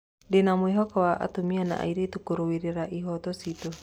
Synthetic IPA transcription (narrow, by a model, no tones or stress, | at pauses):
denamuiɦɔkawaʔa̰t̪umiana̰ʔa̰iɾit̪ukuɾuwiɾiɾaʔiɦɔt̪ɔsit̪ɔ